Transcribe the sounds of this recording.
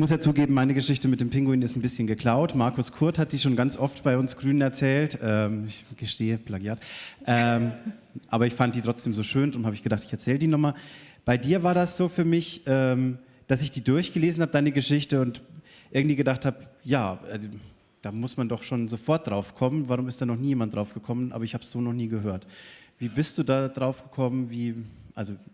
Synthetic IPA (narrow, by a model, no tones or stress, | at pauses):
ɪçmʊsjaːt͡suːɡeːbm̩maɪnəɡəʃɪçtəmɪt̚d̥eːmpɪŋɡʊiːnɪstn̩bɪsçənɡəkl̥aʊtmaɐkʊskʰʊɐthat̚d̥iːʃoːnɡant͡sʔɔftb̥aɪʊnsɡ̥ʁyːnənɛɐt͡sɛːltʔɛːɪçɡ̥əʃteːəplaɡiaːtʔɛː | ʔa̰ːbɐɪçfant̚diːtʁ̥ɔt͡sd̥eːmzoːʃøːndʁʊnthaːbəɪçɡədaχtɪçɛɐt͡sɛːlədiːnɔχmaːlb̥aɪdiːɐvaːɐdasz̥oːfyːɐmɪçʔɛːm | d̥asɪçd̥iːdʊɐçɡ̥əleːzn̩haːbəd̥aɪnəɡəʃɪçtəʊnt | ʔɪɐɡŋ̩td̥v̥iːɡədaχthaːpjaːʔɛ̰z | d̥aːmʊsmandɔχʃoːnzofɔɐt̚d̥ʁaʊfkʰɔmənvaʁʊmɪstd̥aːnɔχniːjeːmantd̥ʁaʊfɡ̥əkʰɔmənʔaːbɐɪçhaːbsz̥oːnɔχniːɡəɦøːɐtv̥iːbɪst̚d̥uːdaːdʁaʊfɡ̥əkʰɔmənviːʔalzo